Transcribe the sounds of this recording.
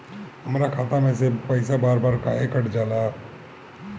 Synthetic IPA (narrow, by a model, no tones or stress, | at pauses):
ɦəmɾakʰaːt̪amẽs̬epəɪsabaːɾbaːɾkaekəʈd͡ʒaːla